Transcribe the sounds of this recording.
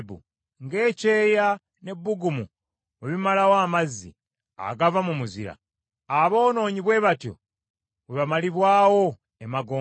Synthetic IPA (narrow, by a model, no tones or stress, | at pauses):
bṵ | ŋɡe̞ːce̞ːja | ne̞bːuɡumu | weβimalawaːmazːḭ | a̰ɡavamumuzḭɾa̰ | aβo̞ːno̞ːɲiβwe̞ːβatjo̰ | weβamaliβwaːwo̞ | emaɡoː